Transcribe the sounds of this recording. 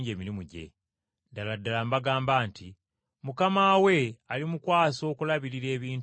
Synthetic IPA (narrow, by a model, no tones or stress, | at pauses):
ɲɟe̞ːmiɾimuɟe̞̰ | daladːalambaɡaːmbaːnti | mukamaːwe̞alimukwaːso̞ːkulaβiɾiɾe̞ːβiːnt